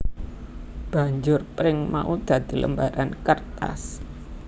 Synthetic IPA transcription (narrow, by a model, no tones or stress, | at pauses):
b̥a̤ɲd͡ʒʊrpɾɪŋma̰ʔud̪̥ä̤d̪̥i̤lə̰mbaɾankərt̪a̰s